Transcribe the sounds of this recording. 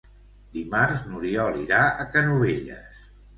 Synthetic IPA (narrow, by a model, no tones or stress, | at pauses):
d̪imaɾznuɾiɔliɾaəkənuβeʎə̰s